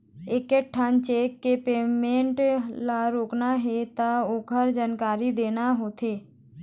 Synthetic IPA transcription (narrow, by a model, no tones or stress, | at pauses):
ekeʈʰãːnt͡ʃeːkːepeːmẽɳʈlaɾoːknaɦet̪aoːɡʱəɾd͡ʒaːnkaːɾid̪eːnaɦoːt̪eː